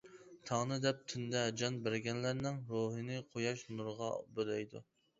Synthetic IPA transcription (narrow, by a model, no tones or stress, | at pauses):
t̪ʰɑŋnɨd̪ɛp̚t̪ʰynd̪ɛd͡ʒɑnbɪɾɡʲɛnlæɾnɪŋɾoɦɨnɪqʰojɑʃnuɾʁɑbølɛjd̪ṵ